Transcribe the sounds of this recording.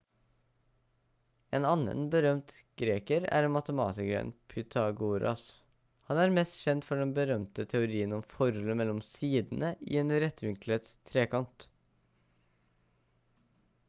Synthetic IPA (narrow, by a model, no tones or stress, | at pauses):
eːnɑnə̰nbəɾœmt̪ | ɡ̥ɾeːkəɾæ̰ːɾmɑt̪əmɑ̰ːt̪ɪkəɾə̰npʰʏt̪ʰɑɡuɾɑ̰s | hɑnæːɾmɛst̪çɛnt̪fɔɖɛnbəɾœmt̪ət̪ʰɛʊɾiːənɔmfɔɾɔləmɛlːɔmsiːd̪n̩əḭeːnɾɛt̪ːʋɪŋklət̪st̪ʰɾeːkʰɑnt̪